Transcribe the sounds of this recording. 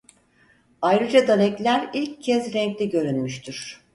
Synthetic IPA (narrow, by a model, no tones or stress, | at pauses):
ajɾɯd͡ʒad̪alʲɛclʲæɾilʲccʰːɛzɾɛɲclʲɛɟø̞ɾynmyʃt̪ʰiɾ̥